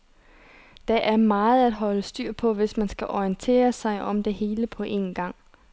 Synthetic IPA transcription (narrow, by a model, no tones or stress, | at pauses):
d̥ɑʔæɐmɑ̈ːð̞̩ˠæd̥ɦɒ̽ləsd̥yɐ̰pʰɒ̽ʋe̝smænsɡ̥æʔɒiənt͡sʰe̝̰ːɐsɑ̈ɪʔɒ̽md̥e̝ɦe̝ːləpʰɒ̽ʔe̝̰nɡ̥ɑ̈ŋ̰